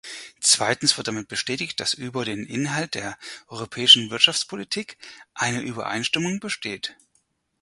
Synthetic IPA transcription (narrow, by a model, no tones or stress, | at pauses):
t͡sv̥aɪtn̩sv̥ɪɐtdamɪt̚b̥əʃtɛːtɪçt̚d̥asʔyːbɐɾeːnʔɪ̰nɦalt̚d̥eːɐʔɔʏʁ̞opʰɛːɪʃn̩vɪɐtʃaft͡spʰolitʰiːkʔaɪnəʔyːbɐ̰ʔa̰ɪnʃtɪmʊŋbəʃteːt